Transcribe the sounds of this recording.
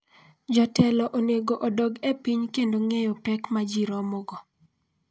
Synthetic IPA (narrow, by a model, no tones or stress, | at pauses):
d͡ʒɔtɛlɔʔoneɡoʔodɔɡepiɲkendoŋejɔpɛkmad͡ʒiɾɔmɔɡɔ